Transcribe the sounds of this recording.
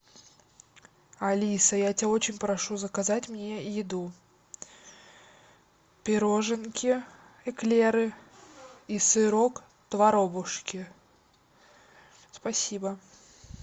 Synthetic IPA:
ɐlʲisəjatʲɪao̞t͡ɕɪnʲpɾɐʂuzəkɐzatʲmnʲejɪd̪u | pʲɪɾoʐɨnkʲɪ | ɛklʲeɾɨ | isɨɾo̞k | t̪vɐɾo̞bʊʂkʲɪ | spɐsʲibə

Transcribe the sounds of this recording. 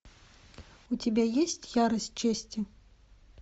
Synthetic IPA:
ut͡sʲabʲejesʲt͡sʲjaɾɐsʲt͡ʂɛsʲt͡sʲi

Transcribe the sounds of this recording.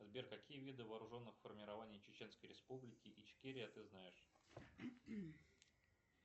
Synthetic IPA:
ɐzbʲerʲkɐkʲijəvʲid̪ɨvɐːɾʊʐo̞nːɨxfərmʲɪɾɐvanʲɪjt͡ɕɪt͡ɕe̞n̪skəjɾʲɪspublʲɪkʲɪʔit͡ɕkʲeɾʲɪɐt̪ɨznajɪʂ

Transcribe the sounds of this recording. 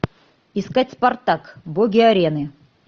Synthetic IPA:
ɪskatʲspɐrt̪akboɡʲɪɐɾʲenɨ

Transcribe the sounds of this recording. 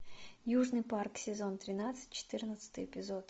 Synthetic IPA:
juʐnɨjparksʲɪzont̪ɾʲɪnat̪sɨ̥t̚ʲt͡ɕɪ̥t̪ɨrnət̪sɨ̥t̪ɨjɪpʲɪzot̪

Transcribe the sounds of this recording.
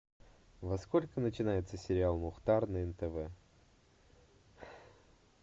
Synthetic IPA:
vɐskolʲkənət͡ɕɪnajɪt̪səsʲɪɾʲɪalˠmʊxt̪arnəɛnt̪ɛvɛ

